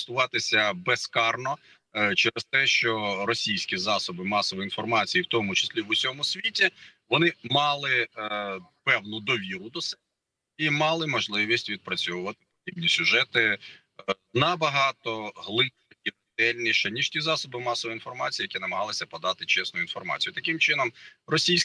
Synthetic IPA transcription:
st̪ʊʋɑt̪ɪsʲɐbɛskɑrnɔ | t͡ʃɛɾɛst̪ɛʃt͡ʃɔrɔsʲijsʲkʲizɑsɔbɪmɑsɔʋɔin̪fɔrmɑt͡sʲijiwt̪ɔmʊt͡ʃɪ̥sʲlʲiʋʊsʲɔmʊsʲʋʲitʲiʋɔnɪmɑlˠɪ | pɛwnʊd̪ɔʋʲiɾʊd̪ɔsɛ | imɑlˠɪmɔʒlˠɪʋʲisʲtʲʋʲid̪̚pɾɐt͡sʲɔʋʊʋɐt̪ɪ̥pɔ̥d̪ʲibnʲisʲʊʒɛt̪ɪ | nɐbɐɦɑt̪ɔɦlˠɪ | ɛi | d̪ɛlʲnʲiʃɛnʲiʒ̥tʲizɑsɔbɪmɑsɔʋɔin̪fɔrmɑt͡sʲijɐkʲinɐmɐɦɑlˠɪsʲɐpɔd̪ɑt̪ɪt͡ʃɛsnʊjʊinfɔ̰rmɑ̰t͡sʲijʊt̪ɐkɪmt͡ʃɪnɔmrɔsʲijsʲ

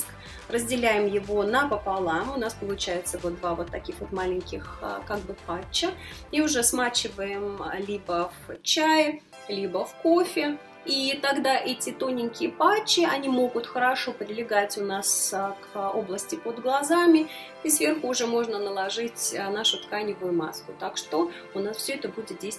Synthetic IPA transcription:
k | rəzʲdʲɪlʲæjɪmjɪvo̞nəpəpalˠamʊnaspəlˠʊt͡ɕæjɪt̪səvot̪̚d̪vavo̞t̪ːɐkʲixvot̪malʲɪŋʲkʲɪxkaɡ̚bɨpat͡ɕːəiʊʐɛsmat͡ɕɪvəjɪmlʲibəft͡ɕæj | lʲibəfkofʲɪ | it̪aɡd̪aʔɛtʲɪt̪o̞nʲɪnʲkʲɪjəpat͡ɕːɪɐnʲimo̞ɡʊt̪xəɾɐʂopɾʲɪlʲɪɡatʲʊnaskoblˠəsʲtʲɪpod̪ɡlˠɐzamʲɪ | isvʲe̞rxʊːʐɛmo̞ʐnənəlˠɐʐɨtʲnaʂʊt̪kajnʲɪvʊjʊma̰skʊt̪akʂt̪o̞ | ʊnasfsʲɵɛt̪əbudʲɪt̪̚dʲejst̪

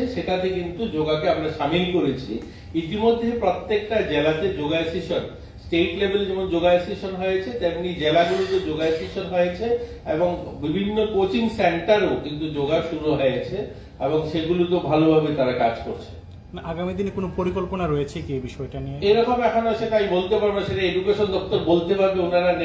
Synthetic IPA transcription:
eʃekʰat̪ekint̪ud͡ʑoɡakeamɾaʃamilkoɾet͡ɕʰi | it̪imod̪ʱːepɾot̪ːek̚ʈad͡ʑelat̪ed͡ʑoɡaesiʃon | sʈeʈlebʱeld͡ʑɛmond͡ʑoɡaesiʃonɦɔjet͡ɕʰet̪emnid͡ʑelaɡulot̪od͡ʑoɡasiʃonɦɔeet͡ɕʰe | eboŋbibʱinːokot͡ɕiŋseɳʈaɾokint̪ud͡ʑoɡaʃuɾuɦɔeet͡ɕʰe | eboŋʃeɡulut̪obʱalobʱabet̪aɾakad͡ʑkoɾt͡ɕʰe̥n | naaɡamid̪inekonopoɾikolponaɾɔjet͡ɕʰekiebiʃɔeʈanieeɾɔkomɛkʰonoʃetajbolt̪epaɾbeʃeʈaedukeʃond̪ɔk̚t̪oɾbolt̪ebabeunaɾane

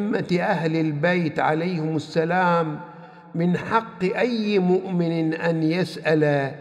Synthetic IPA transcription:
mːaʔahlɪlbajt̪ʕa̰lajhɪmasːalaːmː | ɪnħɑqːɨʔajːmʊʔmɪnʔanjasʔal

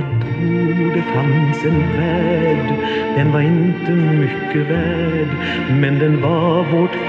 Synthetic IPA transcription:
t̪ʰ | ud̪ət̪ʰansənvæːɖ | d̪̥ɛnvɑɾɪnt̪əmʏkːəvæːɖ | mɛnd̪ɛnvɑvoʈ

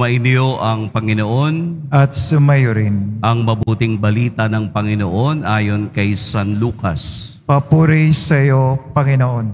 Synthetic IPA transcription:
mɐʔɪnjo̞ʔɐŋpɐŋɪnoʔo̞nʔɐt̪̚sʊmɐjoɾɪnʔɐŋmɐbuːt̪ɪŋbɐliːt̪ɐnɐŋpɐŋɪnoʔo̞nʔaːjo̞nkɐjsɐnluːkɐ̰s | pɐpuɾisɐjopɐŋɪnoʔon

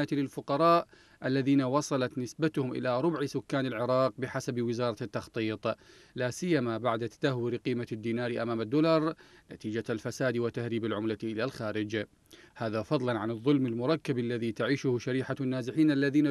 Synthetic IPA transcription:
jat̪lɪlfʊqɑɾˤɑːʔ | ʔalːaðiːnawɑsˤɑlɑt̪nɪsbat̪ʊhʊmʔɪ̰laɾˤʊbʕsʊkːaːnɪlʕɪɾˤɑːq̚bɪħasabwɪzɑːɾˤɑt̪ːɑxt̪ˤiːt̪ˤ | laːsɪjːamabaʕd̪at̪ḁd̪̥ahwɪɾqiːmad̪ːiːnaːɾiʔamaːmad̪ːʊlɑɾˤnat̪iːd͡ʒalfasaːd̪wɪt̪ːahɾiːbɪlʕʊmlaʔɪlalxaːɾɪd͡ʒ | haːðafɑðˤlɑnʕanɨðˤːʊlmɪlmʊɾˤɑkːabalːaðit̪aʕiːʃʊhʃaɾiːħanːaːzɪħiːnʔalːaðiːna

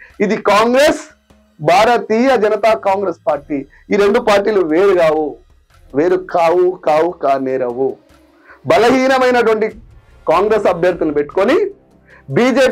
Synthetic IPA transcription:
id̪ikaːŋɡɾe̞ːs | baːɾɐt̪iːjɐd͡ʒɐnɐt̪aːkaːŋɡɾe̞ːspaːɾʈiː | iɾe̞ɳɖupaːɾʈiːluʋe̞ːɾuɡaːwu | ʋe̞ːɾukaːwukaːwukaːnɛːɾɐwu | bɐlɐɦiːnɐmɐjnɐʈ̬uʋɐɳʈi | kaːŋɡɾe̞sɐbʱjɐɾd̪ulnupeʈːu̥koni | biːd͡ʒeː

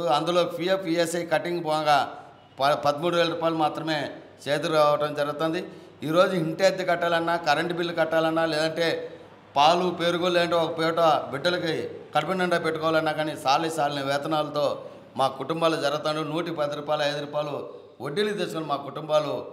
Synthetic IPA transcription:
ɐnd̪ulo̞ːpʰijepʰːiesɐjkɐʈiŋɡbɔnɡaː | ppɐd̪ɐmuːɽuʋeːlɐɾuːpaːjlumaːt̪ɾɐme̞ː | t͡ʃeːt̪ɐɾaːʋɐʈɐmd͡ʒɐɾɐɡɐt̪ɐnd̪i | iːɾo̞ːd͡ʒuɦiɳʈeːd̪ikɐʈːaːlɐnːaːkɐɾɐɳʈbilːukɐʈːaːlɐnːaːlɛːd̪ɐɳʈe̞ː | paːlupeːɾuɡolːeːɐɳʈeːɔkɐpɛːʈɐbiɖːɐlɐkikɐʈɐpinːɐɳɖɐːpeʈːukɔːʋalɐnːaːkaːnisaːlisaːlinɐʋɛːt̪ɐnaːlɐt̪o̞ː | maːkuʈumbaːlud͡ʒɐɾɐɡɐt̪ːɐɳɖunuːʈipɐd̪iɾuːpaːjlɐjd̪uɾuːpaːjlu | oɖːilid̪ɛːsɐlumaːkuʈumbaːlu

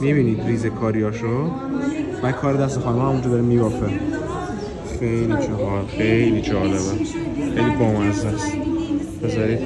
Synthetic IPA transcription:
mibiːniːd̪ɾiːzekʰɒːɾijɒːʃo | bæd̪̚kʰɒːɾed̪æs̬t̪exɒːnemhæmund͡ʒɔːbeɾemiːbɒːfe | xejlid͡ʒɔɦxejlid͡ʒɒːleβexejliboːmæzæs | b̥ezɒɾid̪

